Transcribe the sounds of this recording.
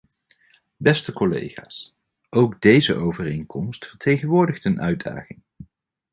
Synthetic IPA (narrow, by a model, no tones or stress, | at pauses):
bɛstəkɔlḛjχa̰ːs | ʔowɡdejzə̰ʔowvərejŋkɔmstfəɹtʰejχənʋʊːɹdəχtənʔœɥda̰ːχɪŋ